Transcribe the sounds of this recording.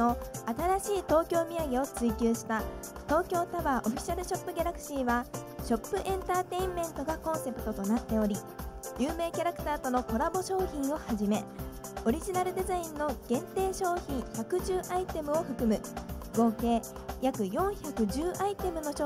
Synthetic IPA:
o̞at̪aɾaɕiːt̪o̞ːkʲo̞ːmʲiaɡeo̞t͡sɨikʲɨːɕi̥t̪a | t̪o̞ːkʲo̞ːt̪aβaʔo̞ɸʲi̥ɕaɾɯ̟ɕo̞pːɯ̟ɡʲaɾakɯ̟̥ɕiːβaɕo̞pːɯ̟ʔẽ̞nt̪aːt̪e̞ĩmːẽ̞nt̪o̞ɡakõ̞ɰ̃se̞pɯ̟̥t̪o̞t̪o̞nat̪ːe̞o̞ɾʲi | jʔɯːme̞ːkʲaɾakɯ̟̥t̪aːt̪o̞no̞ko̞ɾabo̞ɕo̞ːçĩɰ̃o̞haʑime̞ | o̞ɾʲiʑinaɾɯ̟d̪e̞zaĩnːo̞ɡ̥ẽ̞nt̪e̞ːɕo̞ːçĩçakɯ̟ʑɨːʔait̪e̞mɯ̟o̞ɸɯ̟kɯ̟mɯ̟ɡo̞ːke̞ː | jakɯ̟jõ̞ɰ̃çakɯ̟ʑɨːʔait̪e̞mɯ̟no̞ɕo

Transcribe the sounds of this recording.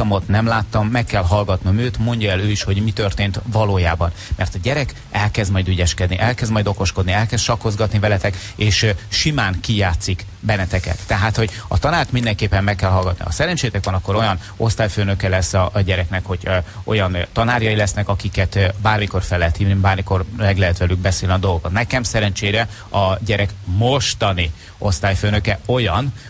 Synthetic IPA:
ɒmo̞t̪nɛmlaːt̪ːɒmːɛkːɛlɦɒlɡɒt̪nomøːt̪mo̞ɲɟɒɛløːiʃho̞ɟmit̪ø̞rt̪eːnt̪vɒloːjaːbɒnmɛrt̪ɒɟɛɾɛk | ɛlkɛzd̪mɒjd̪yɟɛʃkɛd̪niʔɛlkɛzd̪mɒjd̪o̞ko̞ʃko̞d̪niɛlkɛst̪ʃɒko̞zɡɒt̪nivɛlɛt̪ɛk | eːʃʃimaːŋkijaːt̪sik | bɛnːɛt̪ɛkɛ̰t̪ːɛɦaːt̪ho̞ɟɒ̰t̪ɒnaːrt̪mind̪ɛŋkeːpːɛmmɛkːɛlɦɒlɡɒt̪nḭɒ̰sɛɾɛnt͡ʃeːt̪ɛkʋɒnɒkːo̞ɾo̞jɒn | o̞st̪aːjføːnø̞kɛlɛsːɒɟɛɾɛknɛkho̞ɟʔo̞̰jɒnt̪ɒnaːɾjɒjilɛsnɛkɒkikɛt̪baːrmiko̞rfɛlːɛɦɛt̪hiːvnibaːrmiko̞rlɛɡlɛɦɛt̪ʋɛlyɡ̚bɛseːlniɒd̪o̞lˠɡokot̪nɛkɛmsɛɾɛnt͡ʃeːɾɛ | ɒɟɛɾɛkmo̞ʃt̪ɒni | o̞st̪aːjføːnø̞kɛo̞jɒn

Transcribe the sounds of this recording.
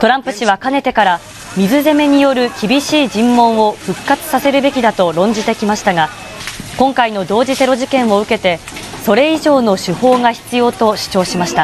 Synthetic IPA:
t̪o̞ɾãmpɯ̟ɕiβ̞akane̞t̪e̞kaɾa | mʲizɨze̞me̞ɲ̟ijo̞ɾɯ̟kʲibʲiɕiːd͡ʑĩmːõ̞ɰ̃o̞ɸɯ̟kːat͡sɨ̥sase̞ɾɯ̟be̞kʲid̪at̪o̞ɾõ̞ɲ̟d͡ʑit̪e̞kʲimaɕi̥t̪aɡa | kõ̞ŋkaino̞d̪o̞ːd͡ʑise̞ɾo̞ʑikẽ̞ɰ̃o̞ɯ̟ke̞t̪e̞so̞ɾe̞iʑo̞ːno̞ɕɨho̞ːɡaçi̥t͡sɨjo̞ːt̪o̞ɕi̥t͡ɕo̞ːɕimaɕi̥t̪a

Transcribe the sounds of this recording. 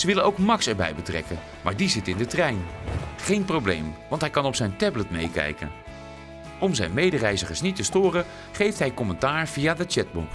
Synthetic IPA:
zəʋɪlənowkmɑksɛɹbɛ̰jbətrɛ̰kən | maːɹdizɪtɪndətrɛjnχejnprowblḛjmʋɑntɦɛjkɑnɔpsɛjntɛblətmḛjkɛ̰jkə̰n | ɔmzɛjnmejdərɛjzəχəsnitəstʊːrə | χejftɦɛjkɔmɛntaːɹv̥iaːdət͡ʃɛt̚bɔ̰p

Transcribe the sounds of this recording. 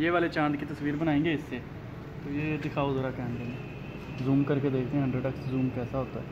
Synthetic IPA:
jeːʋaːlet͡ʃãːnd̪kit̪əsʋiːɾbənãːẽːŋɡeːɪsːeː | t̪oːjeːd̪ɪkʰaːozəɾakɛ̃ːnd̪eːneː | zuːmkəɾked̪eːk̚ʰd̪eɦɛ̃əɳɖəʈəkszuːmkɛːsaɦoːt̪aɛː

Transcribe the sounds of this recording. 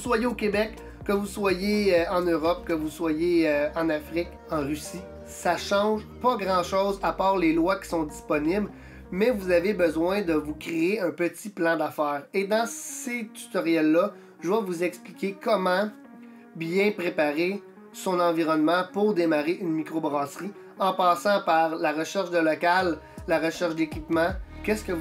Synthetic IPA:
uswajeokʲebɛkː | əvuswajeɑ̃nøːʁɔp̚kəvuswajeøɑ̃nafʁɪk | ɑ̃ʁysi | saʃɑ̃ʒpʌɡʁɑ̃ʃɔːzapɑːʁlelwakʲi̥sɔ̃d̪d͡zispɔnɪbl | mɛvuzavebəzwɛ̃d̪əvukʲʁeeœ̃pət̪t͡siplɑ̃d̪afɛːʁed̪ɑ̃set̪y̥t̪ɔʁjɛlːʌ | ʒəvavuzɛksplikʲekɔmɑ̃ | bjɛ̃pʁepaʁe | sɔ̃nɑ̃viʁɔnmɑ̃pʊʁd̪emaʁeʔynmikʁobʁɑːsʁi | ɑ̃pɑːsɑ̃paʁlaʁəʃɛʁʃd̪əlɔkalː | aʁəʃɛʁʃd̪ekʲipmɑ̃kʲɛskə

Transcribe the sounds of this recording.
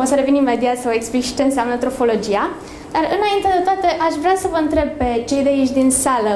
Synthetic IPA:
o̞səɾe̞vinime̞d̪iat̪sae̞ksplikʃit͡ʃe̞ɨnseamnət̪ɾo̞fo̞lo̞d͡ʒia | d̪arɨnaint̪e̞d̪e̞t̪oat̪eʔaʃvɾeasəvəɨnt̪ɾe̞b̚pe̞t͡ʃe̞jd̪ejit͡ʃʲd̪insalə

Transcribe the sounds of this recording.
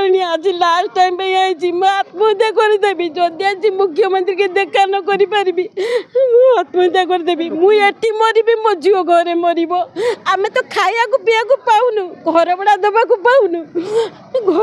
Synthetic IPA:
ɾɽ̃iad͡ʒilaɾsʈaimbeĩajt͡ʃimoat̪mɔid̪ak̬ɔɾid̪ebid͡ʒɔd̪iad͡ʒimukʰjɔmɔnt̪ɾiked̪ekanɔkɔɾipaɾibimũat̪mɔd̪ak̬ɔɾid̪ebimũeʈimɔɾibimɔd͡ʒiɔɡʱɔɾemɔɾibɔamet̪ɔkʰajakupiak̬upawnuɡʱɔɾɔbɔɽad̪ɔbak̬upaw̃nu | ɡʱɔ

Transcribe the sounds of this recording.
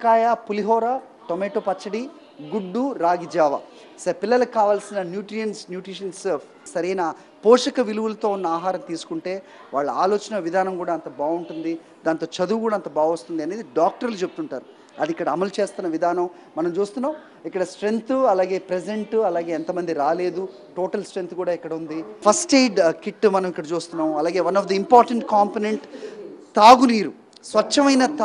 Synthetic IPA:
kaːjaːpuliɦɔːɾaː | ʈomeːʈoːpɐt͡ʃːɐɽi | ɡuɖːuɾaːɡid͡ʒaːʋa̰ | sɐpilːɐlɐkaːʋaːlsinɐnjuːʈɾijɐnsnjuːʈɾiʂɐnsepʰsɐɾɐjna | pɔːʂɐkɐʋiluʋulɐt̪o̞ːunːɐaːɦaːɾɐmt̪iːsu̥kuɳʈe̞ː | ʋaːɭːɐa̰ːloːt͡ʃɐnɐʋid̪ʱaːnɐmkuːɽaːɐnt̪ɐbaːuɳʈund̪i | d̪aːnt̪o̞ːt͡ʃɐd̪uːkuːɽaːnt̪ɐbaːɡʋɐst̪und̪iɐneːd̪iɖaːk̚ʈɐɾlut͡ʃeput̪uɳʈaːɾu | ɐd̪ikːɐɽɐːmɐlt͡ʃe̞ːst̪unːɐʋid̪ʱaːnɐm | mɐnɐmt͡ʃuːst̪unːaːm | ikːɐɽɐsʈɾe̞nt̪ɐlaːɡe̞ːpɾed͡ʒeɳʈɐlaːɡe̞ːɛnt̪ɐmɐnd̪iɾaːle̞ːd̪u | ʈo̞ːʈɐlsʈɾe̞nt̪kuːɽaːikːɐɽɐund̪ipʰɐsʈeːɖkiʈːmɐnɐmikːɐɽɐt͡ʃuːst̪unːaːmɐlaːɡe̞ːʋɐnɔfd̪ɐimpaːɾʈɐɳʈkaːmponeɳʈt̪aːɡuniːɾu | sʋɐt͡ʃːɐmɐjnɐt̪

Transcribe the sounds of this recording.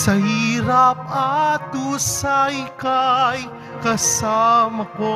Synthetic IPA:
sɐhiːɾap̚ɐd̪uːsajkaj | kɐsamɐko

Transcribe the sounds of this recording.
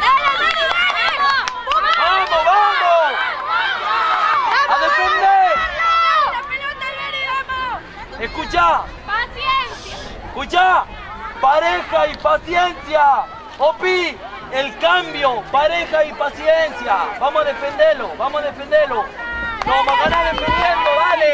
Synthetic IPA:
bamoβamos | aðefend̪eɾ | eskut͡ʃa | kut͡ʃa | paɾexaipasjensja | opi | elkambjopaɾexaipasjensjabamosaðefend̪eloβamosaðefẽnd̪eɾloɾoamokanaðefend̪end̪oβale

